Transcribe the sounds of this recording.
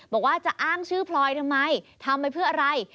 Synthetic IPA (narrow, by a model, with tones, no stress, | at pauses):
bɔː˨˩k̚waː˥˩t͡ɕa˨˩ʔaː˥˩ŋt͡ɕʰɯː˥˩pʰlɔː˧jt̪ʰa˧mːa˧jt̪ʰa˧mːa˧jpʰɯ˥˩ɐʔa˧ɾa˧j